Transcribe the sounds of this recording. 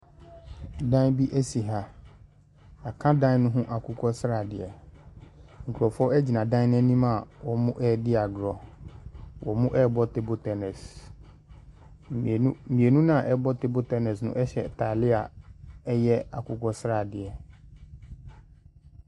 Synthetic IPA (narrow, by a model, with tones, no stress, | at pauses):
dã˦bi˦ʔɛ˦si˨ɦa˨ | a˨kʰã˦dã˦nʊ̃˦ɦũ˦ʔa˨kʰʊ˦kʰɔ˦sɾa˨dɪ˨ɛ˨ | ŋ̩˨kʰu˨ɾɔ˨fɔ˦ɛ˦d͡ʑi˨nã˨dã˦n˦nɛ̃˦nĩ˦mã˦˨wɔ˨mʊ̃˦ʔɛ˦dɪ˦a˨ɡɾɔ˨ | wʔɔ̰˨mʊ̃˦ʔɛ˦˨bɔ˦te˨bo˨tʰɛ˨nɛ˨s | mĩ˨e˨nũ˦nã˦˨ʔɛ˦bɔ˦te˦bo˦tɛ˦nɛ˨snʊ̰̃˦ʔɛ˦ɕɛ̰˨tʰa˨lɪ˦a̰˨ɛ˦jɛ˦a˨kʊ˦kɔ˦sɾa˨dɪ˨ɛ˨